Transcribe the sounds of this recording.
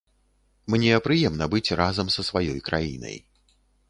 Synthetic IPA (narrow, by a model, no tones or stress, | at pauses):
mnʲɛpɾɨjɛmnɐbɨt͡sʲrazɐmsɐsvajɔjkɾajḭnɐ̰j